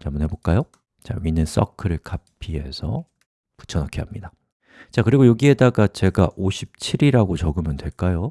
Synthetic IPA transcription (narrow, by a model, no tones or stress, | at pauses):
t͡ɕʌmunɦe̞bok͈ajo | t͡ɕa̰ɥinɯns͈ʌ̰kʰɯɾɯɭkapʰiɦe̞sʰʌ̰ | pu̥t͡ɕʰʌnʌkʰiɦamɲida | t͡ɕakɯɾiɡojoɡie̞daɡat͡ɕe̞ɡaʔoɕʰip̚t͡ɕʰiɾiɾaɡot͡ɕʌɡɯmjʌntwe̞ɭk͈ajo